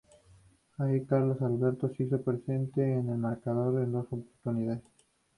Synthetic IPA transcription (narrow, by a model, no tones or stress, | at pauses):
aikaɾlosalβeɾt̪osisopɾesent̪eːnelmaɾkaðoɾðend̪o̞sopoɾt̪uniðaðes